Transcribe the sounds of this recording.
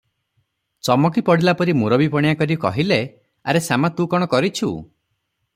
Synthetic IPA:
t͡ʃɔmɔkipɔɽilapɔɾimuɾɔbipɔɽ̃ijakɔɾikɔɦile | aɾesamat̪ũkɔɽ̃ɔkɔɾit͡ʃʰṵ

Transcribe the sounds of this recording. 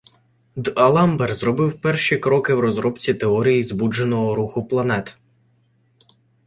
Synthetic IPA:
d̪ɐlˠɑmbɛrzrɔbɪwpɛrʃikɾɔkɪwɾɔzɾɔbt͡sʲit̪eɔɾʲijizbud͡ʒenɔɦɔɾuxʊplˠɐnɛt̪

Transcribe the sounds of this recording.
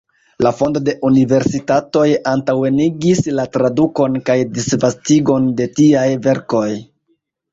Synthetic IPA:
lafo̞ndo̞de̞ʔunive̞ɾsitato̞jantawe̞niɡislatɾaduko̞nkajdisvastiɡo̞nde̞tiajve̞ɾko̞j

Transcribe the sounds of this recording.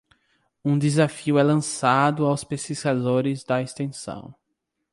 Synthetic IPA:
ũd̪ezafiʊɛlɐ̃sad̪ʊawspesiskazoɾɪzd̪ɐest̪ẽsɐ̰̃w̃

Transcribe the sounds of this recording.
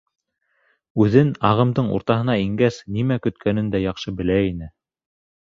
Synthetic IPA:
ʉðɘnɑʁɤ̆md̪ɤɴṵɾt̪ɑɦɤ̆nɑiŋɡæsnimækɵ̆t̪kʰænɘnd̪æjɑχʃɤbɘ̆læinɘ

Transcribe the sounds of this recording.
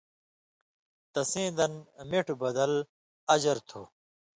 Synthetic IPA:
t̪ɐsẽːd̪ɐnmeʈbɐd̪ɐl | ɐd͡ʑɐɾt̪ʰoː

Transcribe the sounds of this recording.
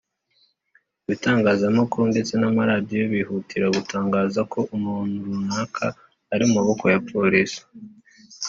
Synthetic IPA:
βitaːŋɡaːzamokʰonde̞t͡se̞namaɾadijoβihutʰiɾaɡutʰaːŋɡaːzakʰo̞ʔumunuunakʰaː | ɾiumaβo̞ko̞japʰoɾisi̥

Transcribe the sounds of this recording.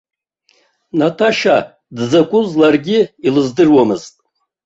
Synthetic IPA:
natʰaʃa | dzakʷʼʊzlarɡʲɪilɨzdɨrwamɨztʼ

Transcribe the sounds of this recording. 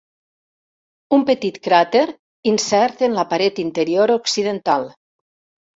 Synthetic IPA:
umpet̪it̪kɾat̪eɾ | insɛɾt̪enlapaɾet̪int̪eɾioɾoksiðent̪alˠ

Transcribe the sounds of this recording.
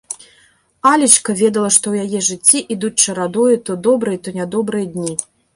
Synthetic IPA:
alʲit͡ʂkɐvʲɛd̪ɐlˠɐʂt̪ɔwjajɛʐɨt͡sʲːiʔid̪ut͡sʲt͡ʂɐɾad̪ɔjut̪ɔd̪ɔbɾɨjɐt̪ɔnʲad̪ɔbɾɨjɐd̪ʲnʲi

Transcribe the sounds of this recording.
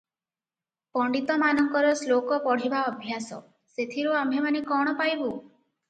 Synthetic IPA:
pɔɳɖit̪ɔmanɔŋkɔɾɔslokɔpɔɽ̤ibaɔbʱjasɔ̰ | set̪ʰiɾuambʱemanekɔɽ̃ɔpajbu

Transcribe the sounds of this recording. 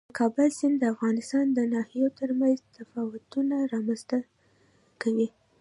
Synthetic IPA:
kʰɑbəlsɪnd̪əafɣɑnɪst̪ɑnd̪ənɑhijot̪əɾmanzt̪afɑwʊt̪unaɾɑmanzt̪ə | kawi

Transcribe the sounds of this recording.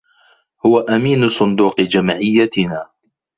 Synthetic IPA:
hʊwaʔamiːnʊsˤʊnd̪uːqɨd͡ʒamʕɪjːat̪ɪnaː

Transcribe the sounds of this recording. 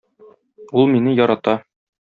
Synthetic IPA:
ulˠminɘjɒɾɑt̪ɑ

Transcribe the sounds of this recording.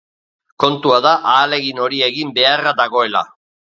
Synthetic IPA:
ko̞nt̪uaðaʔaːle̞ɣino̞ɾie̞ɣimbe̞araðaɣo̞e̞la̰

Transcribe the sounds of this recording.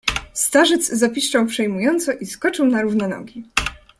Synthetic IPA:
st̪aʐɘd̪zzapʲiʂt͡ʂawpʂɛjmujɔnt̪sɔʔiskɔt͡ʂɘwnaɾuvnɛnɔ̰ɡʲi

